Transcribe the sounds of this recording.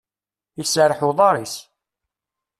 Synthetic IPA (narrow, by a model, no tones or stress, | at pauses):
isəɾˤħuðˤɑɾˤis